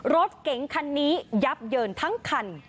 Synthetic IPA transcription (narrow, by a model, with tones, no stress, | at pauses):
ɾo˦˥t̪̚ke˨˩˦ŋkʰa˧nːiː˦˥ja˦˥p̚jɤː˧nt̪ʰa˦˥ŋkʰa˧n